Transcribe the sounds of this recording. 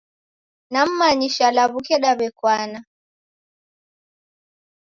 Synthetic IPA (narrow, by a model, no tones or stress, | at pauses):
nam̩maɲiʃalaβukɛɗaβɛkwana